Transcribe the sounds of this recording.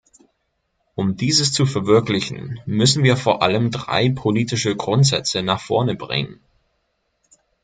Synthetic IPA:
ʔʊmdiːzəst͡sufɛɐvɪɐklɪçn̩mʏsn̩viːɐfoːɐʔa̰ləmdʁa̰ɪpʰoliːtɪʃəɡʁʊntz̥ɛt͡sənaːχfɔ̰ɐnəbʁɪ̰ŋən

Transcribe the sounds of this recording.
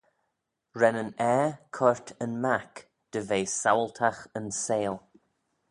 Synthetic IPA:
ɹɛnənɛːkʰɔɹtʰənmak | d̪̥əveːsawlt̪ʰaxənseːl

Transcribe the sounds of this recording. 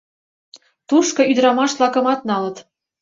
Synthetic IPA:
t̪uʃkɤ̆yd̪ɾɑmɑʃlɑkɤ̆mɑt̪̚nɑlə̆t̪

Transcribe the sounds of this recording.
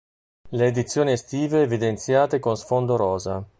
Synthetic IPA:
leːd̪it̪sːjoːniest̪iːveːvid̪ent̪sjaːt̪ekonsfond̪oɾɔːza

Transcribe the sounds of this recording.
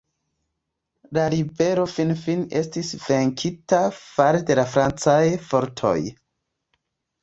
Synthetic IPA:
laɾibe̞ɾo̞finfine̞stisve̞ŋkʰitafaɾede̞lafɾant͡sajfo̞ɾtʰo̞̰j

